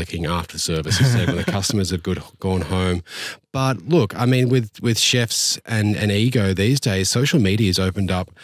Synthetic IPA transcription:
ɪkɪ̃ŋæftʰə˞sɜ˞vɨssɛwɨ̃nðɨkʰʌstəmə˞z̥ɨvɡʊdɡ̥ɔ̃nhõʊ̃mb̥ʌt̚lʊka̰ɪmĩnwɪðwɪð̥ʃɛfsɨ̃nɨ̃niɡoʊðizdeɪz̥soʊʃl̩ˠmiɾiɨɨzoʊpɨ̃n̩dʌp̚

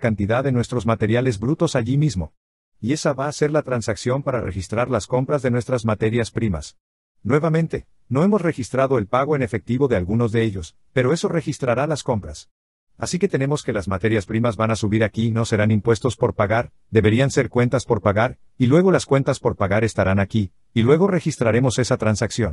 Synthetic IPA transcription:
kant̪iðaððe̞nwe̞st̪ɾo̞zmat̪e̞ɾjale̞zbɾut̪o̞saʝimizmo̞ | ie̞saβaːse̞ɾlat̪ɾansaksjo̞mpaɾarʔe̞̰xist̪ɾaɾlasko̞mpɾazðe̞nwe̞st̪ɾazmat̪e̞ɾjaspɾima̰s | nwe̞βamẽ̞nt̪e̞ | no̞e̞mo̞sre̞xist̪ɾaðo̞e̞lpaɣo̞e̞ne̞fe̞k̚t̪iβo̞ðe̞alɣuno̞zðe̞eʝo̞s | pe̞ɾo̞e̞so̞re̞xist̪ɾaɾalasko̞mpɾas | a̰sike̞t̪e̞ne̞mo̞ske̞lazmat̪e̞ɾjaspɾimazβanasuβiɾakino̞se̞ɾanimpwe̞st̪o̞spo̞ɾpaɣaɾ | d̪e̞βe̞ɾianse̞ɾkwe̞nt̪aspo̞ɾpaɣaɾ | ilwe̞ɣ̞o̞laskwe̞nt̪aspo̞ɾpaɣaɾe̞st̪aɾanaki | ilwe̞ɣ̞o̞re̞xist̪ɾaɾe̞mo̞se̞sat̪ɾansaksjo̞n

